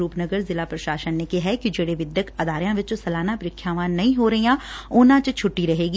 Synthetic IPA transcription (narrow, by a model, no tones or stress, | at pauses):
ɾuːpnəɡəɾzɪlapɾɐʃaːʃənːekeɦɛkid͡ʒeːɽeʋɪd̪jəkɐd̪aːɾjãʋɪt͡ʃosɐlaːnapɾɪkʰːjaːʋãnɐɦĩɦoɾɐɦijãːʊnãt͡ʃt͡ʃʰʊʈːiɾɐɦeːɡiː